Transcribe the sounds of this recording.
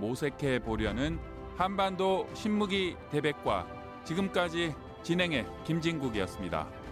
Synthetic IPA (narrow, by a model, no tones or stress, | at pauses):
mosʰe̞kʰe̞poɾjʌnɯn | hanbandoɕʰimːuɡite̞be̞k̚k͈wa̰ | t͡ɕiɡɯmk͈ad͡ʑi | t͡ɕinɦe̞ŋe̞kimd͡ʑiŋɡuɡijʌs͈ɯmɲida̰